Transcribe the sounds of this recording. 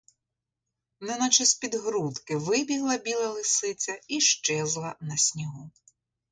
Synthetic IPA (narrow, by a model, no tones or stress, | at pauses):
nɛnɐt͡ʃɐsʲpʲid̪ɦɾut̪kɪʋɪbʲiɦlˠɐbʲilˠɐlˠɪsɪt͡sʲɐiʃt͡ʃɛzlˠɐnɐsʲnʲiɦu